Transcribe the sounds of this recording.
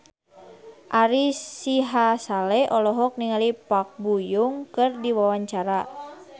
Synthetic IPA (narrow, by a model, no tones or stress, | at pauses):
ʔaɾisiɦasalɛʔɔlɔɦɔk̚niŋalipak̚bujuŋkɨrdiwawaɲt͡ʃaɾa